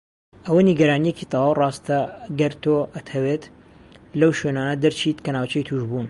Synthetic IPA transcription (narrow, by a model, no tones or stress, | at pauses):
ʔɐwɐniɡɐɾaːnijecit̪ˤɑwaːwrɑːst̪ɐɡɐɾt̪oʔɐt̪ʰɐweːt̪ | lɐwʃwenaːnɐd̪ɐɾt͡ʃʰit̪kɐnaːwt͡ʃɐjt̪ʰuʒbuːn